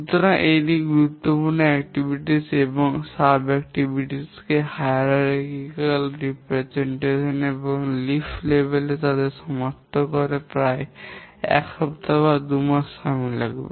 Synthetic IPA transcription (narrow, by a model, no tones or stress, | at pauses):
ut̪ɔɾanʔejdiɡuɾut̪ːopuɾnoɛkʈibʱiʈisebɔŋsabɛkʈibʱiʈiskehajɾaɾkikalɾipɾezeɳʈeʃɔnebɔŋliflebelet̪ad̪eɾsɔmɔɾt̪ʰokɔɾepɾae | ɛ̰khɔbt̪abad̪umasamila̰ɡbḛ